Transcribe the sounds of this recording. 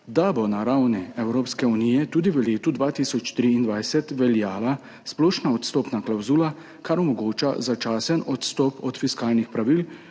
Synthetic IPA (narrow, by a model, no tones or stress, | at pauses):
d̪abɔnaɾawniɛwɾoːpskɛuniːjɛt̪uːd̪iʋəleːt̪ud̪ʋaːt̪isɔt͡ʃt̪ɾiːnd̪ʋajsɛt̪ʋɛljaːla | splɔːʃnaɔt̪st̪ɔːpnaklawzuːla | kaɾɔmɔɡoːt͡ʃa̰zat͡ʃaːsənɔt̪st̪ɔpɔt̪fiskaːlnixpɾaʋil